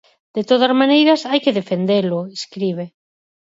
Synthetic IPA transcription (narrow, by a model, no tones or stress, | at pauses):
d̪̥et̪oð̞azmãnejɾɐsajkeðefend̪elʊeskɾiβ̞e